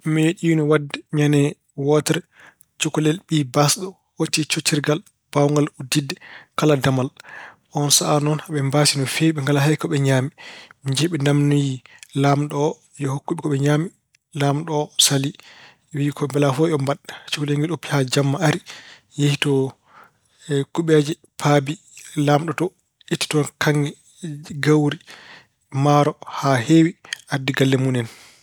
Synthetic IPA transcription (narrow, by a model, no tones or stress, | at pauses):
meɗinɔwadːɛɲanɛ | wɔtɛɾɛ | t͡ʃukulɛlɓibasɗɔ | wotːit͡ʃotːiɾɡal | b̥awŋɡaludidɛkaladamal | ʔɔnsaʔanɔnhaɓɛmbasinɔfeɓɛŋɡalaɦajkɔɓɛɲaːmimiɲd͡ʒɛɓɛndamnujilamɗɔ | jɔhokːuɓikɔɓɛɲaːmi | lamɗɔsali | wiikɔɛmbɛlafɔjɔmbaɗḁt͡ʃukulaŋɡiɗopːi̥had͡ʒamːaaɾi | jehitɔ | kuɓɛd͡ʒɛ | pʰabi | lamɗɔtɔ | itːi̥tɔnkʰaŋɡɛ | ɡawɾi | maɾɔhahewiʔadiɡalːɛmunɛn